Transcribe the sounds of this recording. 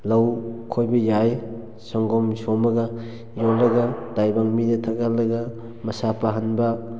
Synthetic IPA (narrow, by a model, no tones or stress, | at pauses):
lawkʰojbijaj | sɔŋɡɔmsɔmɐɡa | jolːɐɡadajbaŋminetʰaɡalːɐɡa | mɐsapaɦanbɐ